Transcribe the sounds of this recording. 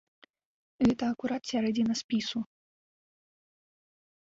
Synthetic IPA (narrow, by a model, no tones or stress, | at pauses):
ɣɛt̪ɐɐkuɾat̪sʲaɾɛd͡zʲinɐspʲisu